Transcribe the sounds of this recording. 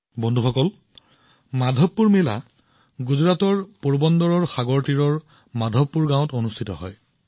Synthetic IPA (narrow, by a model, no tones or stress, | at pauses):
bɔndʱuxɔkɔl | madʱɔpːuɹmela̰ | ɡuzɹatɔɹpoɹbɔndɔɹɔɹxaɡɔɹtiɹɔɹ | madʱɔpːuɹɡãw̃tonustʰitɔɦɔ̰j